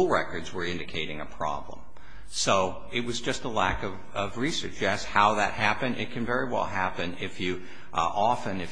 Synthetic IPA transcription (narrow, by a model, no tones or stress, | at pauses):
lˠɹɛkə˞dzwə˞ɪ̃ndɨkʰeɪɾɪ̃ŋɨpʰɹ̥ɑ̰blə̰̃m | soʊ | ɨt̚wʌzd͡ʒʌstəlækʌv | ʌvɹisə̰˞t͡ʃjæshaʊðɨ̰t̚hæpɨ̃ndɨ̰t̚kʰɨ̃nvɛɹiwɛ̰lˠɦæpɨ̃nɪfjɨ | ʔɑfɨ̃nɨ